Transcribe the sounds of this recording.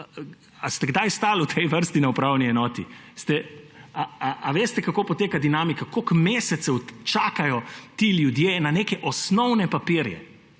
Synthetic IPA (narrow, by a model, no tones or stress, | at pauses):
ast̪ɛɡd̪ajst̪aːlut̪ʰɛjʋəɾst̪inaupɾawniɛnɔːt̪ḭst̪ɛaaʔːʋeːst̪ɛkakoːpɔt̪eːkad̪inaːmikakokmeːsɛt̪sɛwt͡ʃaːkajɔt̪iːljud̪jeːnaneːkɛʔɔsnɔwnɛpapiɾjɛ̰